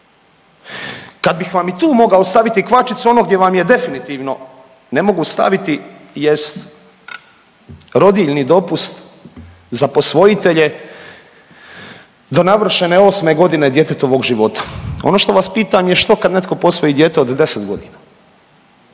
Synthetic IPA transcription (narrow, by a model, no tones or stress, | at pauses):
kad̪̚bixʋamit̪uːmo̞ɡaost̪aʋit̪ikʋat͡ʃit̪suo̞no̞ɡd̪jeʋamje̞d̪efinit̪iːʋno̞ | ne̞mo̞ɡust̪a̰ʋit̪ijest̪ | ɾo̞d̪iʎnid̪o̞pust̪ | zapo̞sʋo̞jit̪e̞ʎe̞ | d̪o̞naʋr̩ʃeneo̞ːsme̞ɡo̞d̪ine̞d̪je̞t̪et̪oʋo̞ɡʒiʋo̞t̪ḁo̞no̞ʃt̪o̞ʋaspiːt̪amjeʃt̪o̞kad̪ne̞t̪̚ko̞po̞sʋo̞jid̪je̞ːt̪eod̪d̪e̞set̪ɡo̞d̪ina